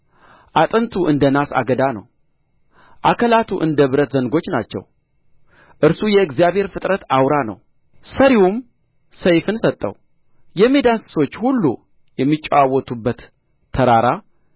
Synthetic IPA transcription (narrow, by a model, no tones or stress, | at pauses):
ʔat̪ʼənt̪ʰuʔɨnd̪ənasa̰ɡəd̪anə̰w | ʔakʰəlat̪ʰuʔɨnd̪əβɨɾət̪zəŋɡo̞t͡ʃːnat͡ʃːɛ̰w | ʔɨɾsujɛɨɡzijaβhe̞ɾfɨt̪ʼɾət̪awɾanə̰w | səɾiwum | səjfɨnsət̪ʼːə̰w | jɛme̞d̪ansɨ̥so̞t͡ʃːhulːṵ | jɛmːit͡ʃʼːwawːɔt̪ʰubːət̪ʰː | əɾaɾa